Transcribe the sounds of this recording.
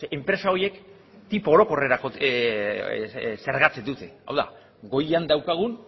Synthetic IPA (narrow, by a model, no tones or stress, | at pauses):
empɾe̞sao̞je̞k | t̪ipːɾo̞ko̞re̞ɾako | se̞ɾɣat͡sed̪ut̪e̞a̰wða̰ | ɡo̞jand̪awkaɣ̞un